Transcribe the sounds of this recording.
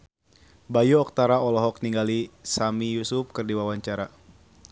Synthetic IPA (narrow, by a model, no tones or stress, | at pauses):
bajuɔk̚t̪aɾaɔlɔɦɔk̚niŋɡalisamijusup̚kɨrdiwawaɲt͡ʃaɾa